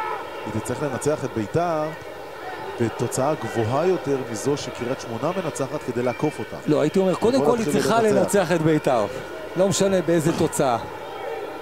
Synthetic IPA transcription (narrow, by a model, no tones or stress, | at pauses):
ait̪it͡slaʁiχle̞nat͡seaχe̞t̪̚be̞jtaʁ | bet̪o̞t͡saaɡvoɦajo̞te̞ʁmizo̞ʃekiʁatʃmo̞navenat͡saχat̪ke̞d̪ejlako̞fo̞t̪a̰mlo̞ajit̪io̞me̞ʁko̞d̪e̞mko̞lhilʁχalenat͡se̞aχet̪bejtaʁ | lo̞meʃane̞beeze̞to̞t͡saa